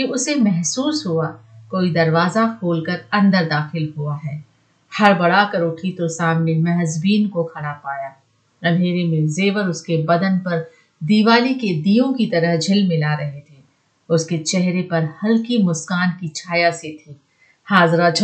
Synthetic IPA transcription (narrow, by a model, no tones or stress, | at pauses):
kiʊsemɛɦsuːsɦuakoːid̪ɐɾʋaːzafʰoːlkɐɾɐ̃nd̪əɾd̪aːxɪlɦuaɦɛː | hɐɾbɐɽakɐɾoʈʰit̪osaːmnemɐɦzbiːnkokʰɐɽ̃apaːjaː | ɐ̃mɖʱeːɾemẽzeːʋəɾʊskebɐd̪ənpɐɾ | d̪iːʋaːliked̪iːjõkit̪ɐɾəɦd͡ʒʱɪlmɪ̃laɾɐɦet̪ʰeː | ʊsket͡ʃɛɦɾepɐɾhɐlkimʊskaːnkit͡ʃʰaːjaset̪ʰiː | haːzɾat͡ʃʰ